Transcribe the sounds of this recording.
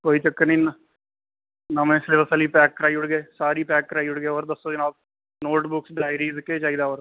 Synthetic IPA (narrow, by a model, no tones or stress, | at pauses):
koːiːt͡ʃəkːnĩːnə | nəmẽːɪsleːʋəsəːliːpɛːkːɾaːiːʊɽɡeːsaːɾiːpɛːkːɾaːiːʊɽɡeːoːɾd̪əsːoːd͡ʒɪnaːb̚ | noːʈbʊksɖaːjɾiːzkːeːt͡ʃaːiːd̪aːoːɾ